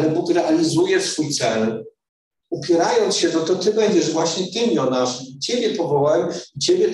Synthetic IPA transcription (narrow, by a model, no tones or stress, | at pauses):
lɛbukɾɛʔalʲizujɛsfujt̪sɛl | upʲjɛɾajɔnt̪sɕɛnɔt̪ɔt̪ɘbɛɲd͡ʑɛʐvwaɕɲɛt̪ɘmʲjɔnaʂit͡ɕebʲjɛpɔvɔwajit͡ɕebʲjɛ